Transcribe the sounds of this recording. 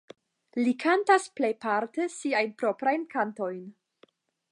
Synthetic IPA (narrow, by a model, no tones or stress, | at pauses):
likʰantasplejpaɾtesiajnpɾo̞pɾajnkanto̞jn